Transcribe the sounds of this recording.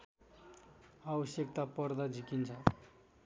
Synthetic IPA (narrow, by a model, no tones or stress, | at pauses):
awʌsjʌkt̪apʌrd̪ad͡zʱikint͡sʰʌ